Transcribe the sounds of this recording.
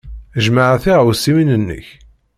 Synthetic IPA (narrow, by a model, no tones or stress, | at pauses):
əʒmaʕaθiʁwsːiwinənːə̰ç